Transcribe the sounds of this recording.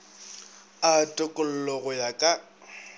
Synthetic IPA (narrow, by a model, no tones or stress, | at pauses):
atʼʊkʼʊl̩lɔɣʊjakʼa